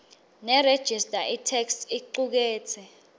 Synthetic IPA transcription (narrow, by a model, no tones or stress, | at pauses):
nɛɾed̥ʒ̥ʱistʼaʔitʰɛksiǃuk̬ɛːt͡sʰɛ